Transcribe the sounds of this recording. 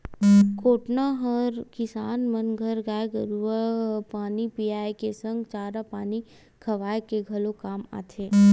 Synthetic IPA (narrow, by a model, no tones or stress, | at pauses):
koːʈnaɦɐɾkɪsaːnmɐnɡʱəɾɡaːjɡəɾuapaːnipiaːjkesə̃ŋɡt͡ʃaːɾapaːni | kʰɐʋaːekeɡʱɐlokaːma̰ːt̪ʰeː